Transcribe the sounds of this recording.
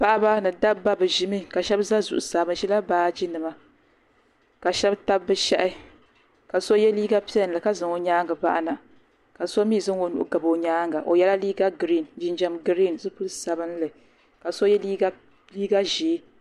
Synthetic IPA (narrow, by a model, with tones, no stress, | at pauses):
pa˦ʔa˦ba˦nɨ˨da˦ba˦bɨ˨ʒi˦mi˦ka˨ʃɛ˦bza˦zu˨ʔʊ˨saː˨bɨ˦ʃi˦la˦baː˨˦d͡ʒi˦nɨ˨ma˦ | ka˨ʃɛ˦bta˦bːɨ˦ʃɛ˦ʔɪ˦ | ka˨so˦jɛ˦liː˦ɡa˦pi˦ɛ˦n˨lɨ˨ka˦zɨ˨ŋo˨ɲaː˦ŋɡɨ˨ba̰˦ʔa˦˨na˨ | ka˨so˦miː˦˨zɨ˦ŋo˨nṵ˨ʔɡa˨bo˨ɲaː˦ŋɡa˨ʔo˨jɛ˦la˦liː˦ɡa˦ɡɾi˦˨nd͡ʒi˦nd͡ʒɛ˦mɡɾi˦˨nzɨ˦pu˦lsa˨bɨ˦n˦lɨ˨ | ka˨so˦jɛ˦liː˦ɡa˦ | liː˦ɡa˦ʒiː˨˦